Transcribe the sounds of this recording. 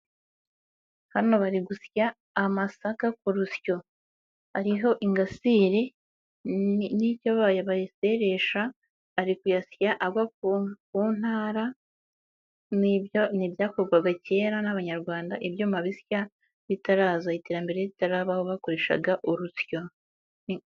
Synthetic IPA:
hano̞βaɾiɡusjaː | masakakuɾusjo̞ | aɾiɦo̞ʔiŋɡasiːɾe | nicaβajaβajise̞ɾe̞ʃaː | ɾikujasjaʔaɡwakkuːn̥haːɾa | nijoniβjaːko̞ɾɡwaɡace̞ːɾanaβaɲaɾɡwaːndaʔeβjomaβisja | βitaɾaːzaite̞ːɾambe̞ɾe̞βitaɾaːβaho̞βako̞ɾe̞ʃa̰ɡaʔoɾusjo̞

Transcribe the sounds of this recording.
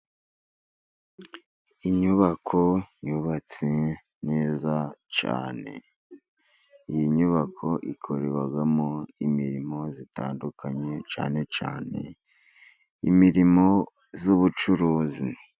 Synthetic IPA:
iɲuβakʰo̞juβat͡se | ne̞ːzat͡ʃa̰ːne̞̰ | ijiɲuβakʰo̞ʔikʰo̞ɾe̞βaɡamoimiɾimo̞zita̰ːndukaɲe̞t͡ʃa̰ːne̞t͡ʃaːne̞̰ | ḭmiɾimo̞ | zuβut͡ʃuɾuːzi

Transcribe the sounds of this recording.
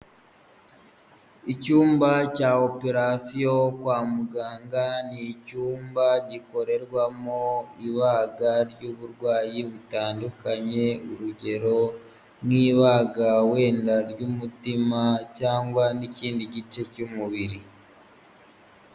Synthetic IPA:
icuːmbacaːope̞ɾasijo̞kwaːmuɡaːŋɡanicuːmbaɟiko̞ɾe̞ɾɡwamoiβaːɡaɾjuβuɾɡwaːjiβutaːndukaɲe̞uɾuɟe̞ɾo̞ | mwiːβaɡawe̞ːndaɾjumutimacaːŋɡwaniciːndiɟit͡ʃe̞cumuβiɾi

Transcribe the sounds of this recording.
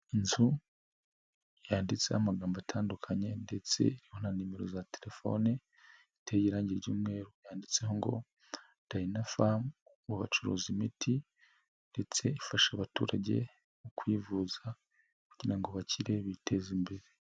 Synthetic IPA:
inzu | jaːndit͡se̞hamaɡaːmbatʰaːndukʰaɲe̞nde̞t͡se̞̰iɾiho̞nanime̞ɾozateɾe̞fo̞̰ne | itʰejiɾaːɲɟiɾɟuːmŋe̞ːɾojaːndit͡se̞ɦo̞ŋɡo̞̰ | d̥ainafam | ɡuβa̰t͡ʃuɾo̰ːzimitʰi | nde̞t͡se̞ifaʃaβatṵːɾaɟe̞̰ | ukwiːvuza | ku̥ɟiɾaŋɡoβacʰiɾe̞βite̞zimbe̞ɾe

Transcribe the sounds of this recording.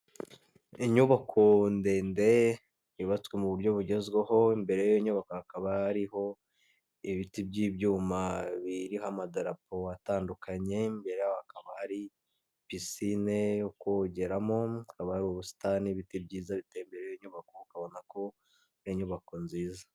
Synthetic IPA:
iɲuβakʰo̞nde̞ːnde̞ | iβat͡swemuβuɾɟo̞βuɟe̞zɡweho̞imbe̞ɾejjoɲuβakohakaβahaɾiho̞ | iβitibɟiːbɟuːmaβiɾiɦamadaɾapo̞ataːndukʰaɲe̞imbeɾejohakaβahaɾi | pisinejokoɟe̞ɾamo̞akaβahaɾioβusi̥taniβitib̚ɟiːzaβiteimbe̞ɾejoɲuβako̞ukaβo̞nako̞ | oɲuβako̞nziːzḁ

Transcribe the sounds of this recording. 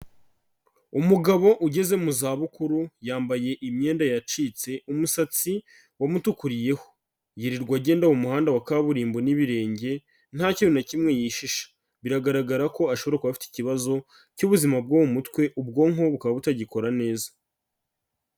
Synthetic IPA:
umuɡaβo̞ʔuɟe̞ze̞muzaːβukuɾujaːmbaje̞ʔimɲe̞ːndajat͡ʃiːt͡se̞umusat͡si | wamutukuɾije̞ho̞̥ | jiɾiɾɡwaɟe̞ːndawomuhaːndawakaβuɾiːmbo̞niβiɾe̞ːɲɟe̞ | n̥haciβunacimŋe̞jiʃiʃḁ | βiɾaɡaɾaɡaɾako̞aʃoβo̞ɾakuβafi̥ti̥ciβazo̞ | cuβuzimab̚ɡowumutwe̞ʔub̚ɡo̞ŋo̞βukaβaβutaɟiko̞ɾane̞ːzḁ

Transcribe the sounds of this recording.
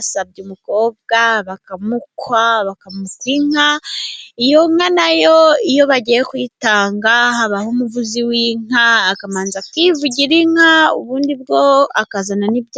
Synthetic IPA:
asab̚ɟumuko̞ːb̚ɡaβakamukwaβakamukwiŋ̥a | ijo̞ŋanajoijo̞βaɟijekwitaːŋɡaɦaβahumuvuziwiŋ̥aakamaːnzakwivuɟiɾiŋ̥haṵβuːndibɡo̞akazananibj

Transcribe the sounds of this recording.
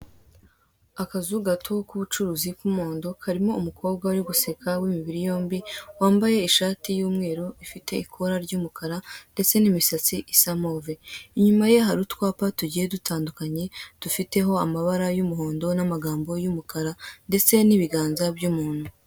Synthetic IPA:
akazuɡatʰokuβut͡ʃuɾuːzikumo̞ːndo̞kaɾimo̞umukʰo̞ːb̚ɡaɾiɡuse̞kʰawimiβiɾijo̞ːmbiwaːmbaje̞iʃaːtijuːmŋe̞ːɾoifite̞ikʰo̞ɾaɾɟuːmukaɾande̞t͡se̞nimisat͡siʔisamo̞ːveiɲumaje̞ɦaɾutkwaːpatuɟije̞dutʰaːndukaɲe̞d̥ufite̞ɦo̞amaβaɾajumuɦo̞ːndo̞namaɡaːmbo̞jumukʰaɾande̞t͡se̞niβiɡaːnzabɟuːmuːn̥hu

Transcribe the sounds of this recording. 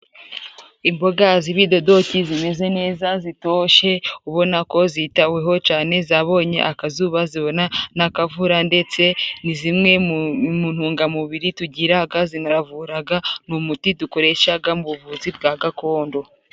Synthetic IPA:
imbo̞ɡaziβido̞do̞cizime̞ze̞ne̞ːzazito̞ːʃe̞uβo̞nako̞zitaweɦo̞t͡ʃaːne̞zaβo̞ːɲe̞̰ʔakazuːβaziβo̞nanakavuɾande̞t͡se̞nizimŋe̞mun̥huːŋɡamuβiɾituɟiɾaɡazinaɾavuɾaɡanumutiduko̞ɾe̞ʃaɡamuβuvuzibɡaːɡako̞ːndo̞

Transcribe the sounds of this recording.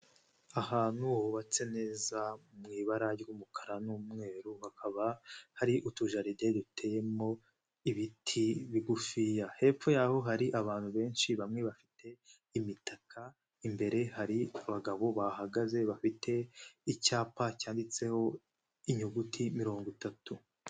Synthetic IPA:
ahaːnuhβat͡se̞ne̞ːzaumŋiːβaɾaumukʰaɾanuːmŋe̞ːɾuhakʰaβahaɾiʔutuʒaɾide̞dutʰe̞je̞mo̞ | iβitʰiβiɡufijahe̞ːp͡fo̞jaːho̞ɦaɾiʔaβaːn̥huβe̞ːnʃiβamŋe̞βafitʰe̞ | imitakʰa | imbe̞ɾe̞haɾiaβaɡaβo̞βahaɡaze̞βafitʰe̞icaːpacaːndit͡se̞ho̞ | iɲuɡutʰimiɾo̞ːŋɡutatu

